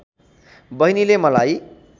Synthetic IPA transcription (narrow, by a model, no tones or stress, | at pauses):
bʌɦinilemʌlaj